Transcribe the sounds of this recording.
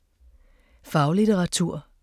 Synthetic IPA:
fɑ̈ʊlit͡səʁɑ̈t͡sʰuɐ̰

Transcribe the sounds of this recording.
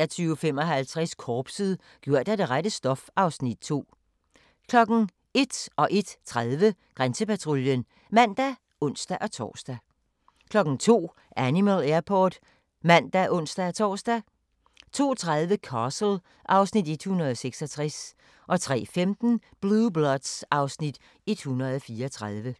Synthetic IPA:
æt͡sʰyːʊfemɒ̽ɦælt͡sʰʁɛskʰɒːb̥siðˠ | ɡ̥jo̝ɐ̰d̥æd̥e̝ʁad̥əsd̥ɒ̽fɑ̈ʊsnid̥̚t͡sʰo̝̰ː | kʰlɒ̽ɡ̥n̩ | e̝d̥ɒ̽ʔe̝d̥t͡sʰʁaðˠʋəɡ̥ʁansəpæt͡sʰʁoljən | mæn̰d̥æ | ʔɔ̽n̰sd̥æʔɒ̽t͡sʰɒ̰ːsd̥æ | kʰlɒ̽ɡ̥n̩t͡sʰo̝̰ː | ʔænimælæɐpʰɒːd̥ | mæn̰d̥æʔɔ̽n̰sd̥æɒt͡sʰɒ̰ːsd̥æ | t͡sʰo̝̰ːt͡sʰʁað̞ˠʋəkʰɑsl̩ | ʔɑ̈ʊsnid̥e̝d̥hunʁɐð̞ˠɒseɡ̥sɒt͡sʰʁɛs | ʔɒ̽t͡sʰʁɛ̰ːfemd̥n̩b̥lublɒd̥sʔɑ̈ʊsnid̥ | e̝d̥hunɐð̞ˠɒfiːɐɒt͡sʰʁaðˠʋə

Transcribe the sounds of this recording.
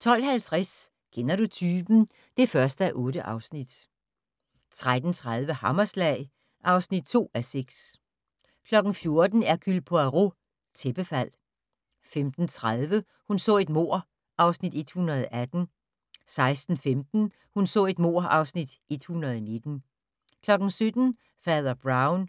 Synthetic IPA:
t͡sʰɒ̽l̰hælt͡sʰʁas | kʰenɐɾ̥ut͡sʰyːb̥n̩ | d̥e̝fɶɐsd̥əæʔɔ̽ːɾəʔɑ̈ʊsnid̥ | t͡sʰʁad̥n̩t͡sʰʁaðˠʋəhɑmɐslɛɪ | ʔɑ̈ʊsnid̥̚t͡sʰo̝̰ːæseɡ̥s | kʰlɒ̽ɡ̥n̩fjo̝ɐd̥n̩æɐɡ̥ʰylpʰɔ̽æʁo | t͡sʰeb̥əfæl̰ | femd̥n̩t͡sʰʁaðˠʋə | hunsɔ̰̽ːe̝d̥mo̝̰ɐ̰ | ʔɑ̈ʊsnid̥e̝d̥hunɐð̞̩ˠʔæd̥n̩ | sɑ̈ɪsd̥n̩femd̥n̩ | hunsɔ̰ːe̝d̥mo̝ɐ̰ʔɑ̈ʊsnid̥ʔe̝d̥hunɐð̩ˠɒne̝d̥n̩ | kʰlɒ̽ɡ̥n̩sød̥n̩ | fɛːðˠɐb̥ʁɑ̈ʊn

